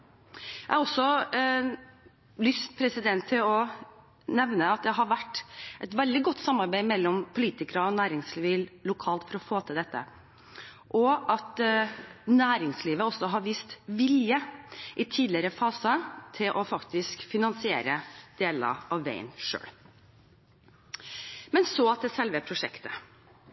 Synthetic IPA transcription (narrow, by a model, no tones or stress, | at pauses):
jæɪhɑɾɔsɔ | lʏst̪̚pʰɾɛsɪd̪ɛnt̪ʰːɪlɔ | nɛʋnəɑt̪̚d̪ɛɦɑɾʋæʈːʔɛt̪ʋɛld̪ɪɡɔt̪ːsɑmːɑɾbæɪmɛlːɔmpʰʊliːt̪ɪkəɾəɔnæːɾɪŋsliːʋɪllʊkʰɑːlt̪fɔɾɔfoːt̪ʰɪld̪ɛt̪ʰːə̰ | ʔɔʔɑt̪ | næːɾɪŋsliːʋəɔsːɔɦɑɾʋiːst̪ʋɪljəʔɪt̪ʰiːd̪lɪəɾəfɑːsət̪ʰɪlʔɔfɑkt̪ɪskfɪnɑnsɪeːɾəd̪̥eːlɑ̰ʔɑʋːæ̰ɪnʂø̰ːɽ | mɛnsɔɑt̪̚d̪ɛsɛlʋəpʰɾʊʂɛkt̪ə̥